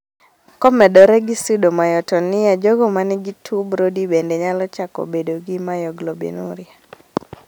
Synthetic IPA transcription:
kɔmɛdɔɾɛɡɪsudomajɔtɔnɪjad͡ʒoɡɔmanɪɡitʰubɾodibendeɲalɔt͡ʃako̰bedoɡɪmajɔɡlobḛnṵɾɪa

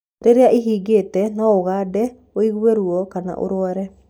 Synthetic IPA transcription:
ɾeɾeaʔiɦiːɡetɛnɔoɣadɛ | oiɣweɾuɔkana̰ʔo̰ɾwaɾɛ

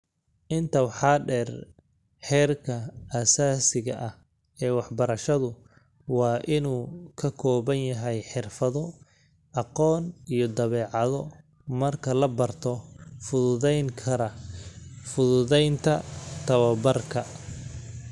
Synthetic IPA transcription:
ʔɪnt̪ʰɐwɑħɑːɖɛːr | ħɛːrkʰɐɐsaːsɪɣɐʔɐh | ɛːwɑħbɐɾɐʃɐðʊ | wɑːʔɪnuːkʰɐkʰɔːβɐnjɐɦɛjħɪrfɐðɔ | ʔɑqɔːnijɔd̪ɐβɛːʕɑðɔ | mɐrkʰɐlɐbɐrt̪ʰɔfʊðʊðɛjŋkʰɐɾɐ | fʊðʊðɛjnt̪ʰɐt̪ʰɐβɐbɐrkʰɐ

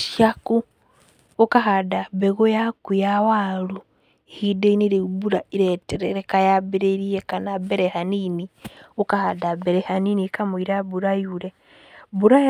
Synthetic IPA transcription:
ʃakuː | kaɦadabeɣojakujawaːlu | ehideiniɾibuɾaiɾɛtɛɾɛɾekajabeɾeɾijekanabeɾehaniniukahadabeɾehaninikamuiɾabuɾajuɾe | buɾa

